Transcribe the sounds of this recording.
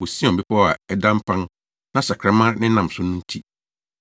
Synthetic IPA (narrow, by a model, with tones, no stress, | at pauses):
o˨si˦ɔ̃˨m̩˨bi˦pʰa˦˨a˨ɛ˦dã˦m̩˦pʰã˦n | nã˦sa˨kʰɾa˦mã˦ɾnɪ̃˦nã˨m˨sʊ˦nʊ̃˦n̩˦tʰi˦